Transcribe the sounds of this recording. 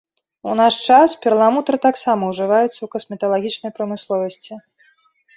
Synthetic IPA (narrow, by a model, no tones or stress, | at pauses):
unaʂt͡ʂaspʲɛrlˠamut̪ɾɨt̪aksamɐwʐɨvajut̪sːɐwkɐsmʲɛt̪ɐlˠaɣʲit͡ʂnɐjpɾɐmɨslˠɔvɐsʲt͡sʲi